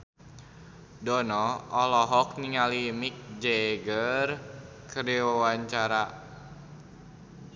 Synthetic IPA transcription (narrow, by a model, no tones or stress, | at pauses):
dɔnɔɔlɔɦɔk̚niŋalimik̚d͡ʒɛɡər | kəɾiwəwaɲt͡ʃaɾa